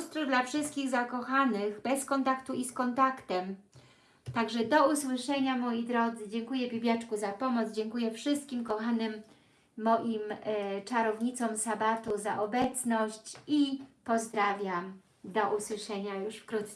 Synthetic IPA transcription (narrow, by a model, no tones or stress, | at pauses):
st̪ɾud̪lafʂɘst̪̚kʲiɣzakɔxanɘɣbɛskɔnt̪akt̪uiskɔnt̪akt̪ɛm | t̪aɡʐɛd̪ɔuswɘʂɛɲamɔjid̪ɾɔd̪zɘd͡ʑɛŋkujɛbʲibʲjat͡ʂkuzapɔmɔd̪zd͡ʑɛŋkujɛfʂɘst̪̚kʲimkɔxanɘmː | ɔʔimt͡ʂaɾɔvɲit̪sɔmsabat̪uzaʔɔbɛt̪snɔɕt͡ɕipɔzd̪ɾavʲjam | d̪ɔʔuswɘʂɛɲajuʂfkɾut̪s